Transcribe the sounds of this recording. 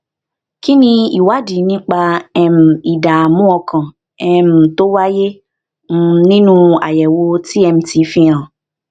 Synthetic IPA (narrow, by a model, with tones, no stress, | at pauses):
ki˦nĩ˧i˨wa˨˦di˨˦nĩ˦k͡pa˧ɛ˧m̩˨i˨da˨mũ˦ɔ˧kã˨ | ɛ˧m̩˨to˦wa˦je˦ | m̩˦nĩ˦nũ˦a̰˨jɛ˨wo˧ti˦ɛ˧m̩̃˧ti˨˦fĩ˧ã˨